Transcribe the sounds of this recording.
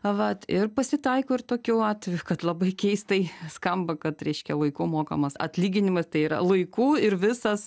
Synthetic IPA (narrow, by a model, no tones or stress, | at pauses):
ʋɐt̪ɪrpɐsʲɪt̪ɐɪkoːɪrt̪oːkʲuɑːt̪ʲʋʲɛjʊkɐt̪lˠɐbɐɪkʲɛɪst̪ɐɪskɐmbɐkɐt̪ɾʲɛɪʃʲkʲɛlˠɐɪkʊmoːkɐmɐsɐ̰tʲlʲiːɡʲɪnʲɪmɐst̪ɐɪiːɾɐ̰lˠɐɪkuːɪɾʋʲɪsɐs